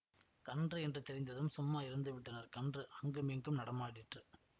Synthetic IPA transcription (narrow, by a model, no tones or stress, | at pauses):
kɐndrɯɛndrɯt̪ɛɾɪnd̪ɐðɯmsʊmːaːɪɾɯnd̪ɯʋɪʈːɐnɐɾkɐndrɯɐŋɡɯmiːŋɡɯmnɐɽɐmaːɽɪʈrɯ